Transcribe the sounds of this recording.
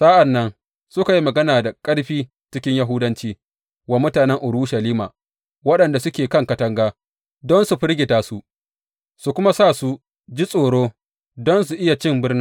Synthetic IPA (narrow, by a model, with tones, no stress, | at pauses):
saː˦ʔa˨nːɐ˦n | sʊ˦ka˨ji˦mɐ˨ɡɐ˦naː˨da˨kʼɐ˦ɽɸiː˦ | t͡ʃɪ˦kʲɪ˦ɲja˦ɦʊ˦dɐ˦nt͡ʃiː˦ | wa˨˦mʊ˦taː˨nɛ˦ŋʔʊ˨ɽu˦ʃɐ˨liː˦ma̰ː˨ | wɐ˦ɗɐ˨nda˨sʊ˦kʲeː˨kɐ˦˨ŋkɐ˦tɐ˦ŋɡaː˦ | dɔ˦nsu˨ɸɪ˦ɽɡʲɪ˨taː˦su˦ | su˨kʷʊ˦ma˦saː˦˨su˦ | d͡ʒi˦sʼoː˨ɽoː˦ | dɔ˦ns̬u˨ʔɪ˦ja˨t͡ʃɪ˦mbɪ˦rnɪ˦